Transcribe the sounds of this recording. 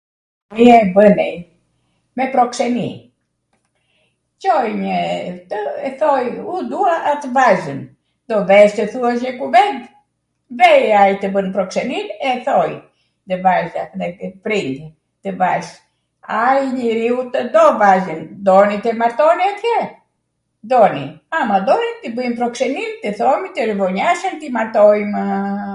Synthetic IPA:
iɛbənɛj | mɛpɾɔksɛnḭ | t͡ʃɔjɲət̪əɛθɔjud̪uaʔːt̪əvazən | d̪ɔvɛʃt̪əθuaʃɲəkuvɛnt̪ | vɛjait̪əbənpɾɔksɛninɛθɔj | d̪əvaʒa̰ðɛpɾind̪i | t̪əvaʃ | ajɲəɾiut̪əd̪ɔvazənd̪ɔnit̪ɛmaɾt̪ɔniat̪jɛɾ | d̪ɔnḭ | amad̪ɔnit̪ibəjmpɾɔksɛnimt̪iθɔmit̪iɾəvɔɲaʃənt̪imaɾt̪ɔjm

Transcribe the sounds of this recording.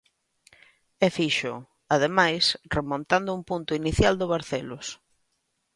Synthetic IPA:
ɛfiʃʊ | aðemajsremõnt̪and̪ʊumpunt̪ʊiniθjald̪ʊβaɾθelʊs

